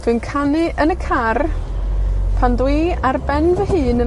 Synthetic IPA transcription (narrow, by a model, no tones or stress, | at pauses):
vɨːnkʰanɪʔənəkʰar | pʰandwiːarbɛnvəɦɨːnən